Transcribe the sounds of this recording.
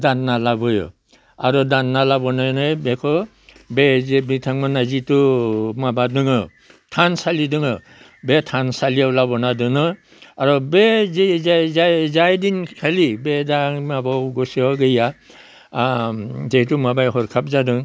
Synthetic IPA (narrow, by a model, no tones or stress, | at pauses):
danːalabɔjɔ̰ | aɾɔdanːalabɔnajnajbekʰɔ | bebitʰaŋmanazitumabadɯŋɯ | tʰansalidɯŋɯ | betʰansalijawlabɔnadɯnɯ | aɾɔbezizajzajdinkʰalibedaŋmabɔɡɔsiɔɡɯja | zeitumabajɦɔɾkʰap̚zadɯŋ